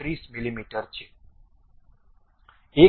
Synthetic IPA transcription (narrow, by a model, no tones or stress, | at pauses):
ɾiːsmilimiʈəɾt͡ʃʰe | e